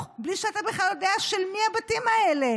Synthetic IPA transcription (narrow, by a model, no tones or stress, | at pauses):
bliʃeat̪abeχlaljo̞deaʃelmihabatimaele̞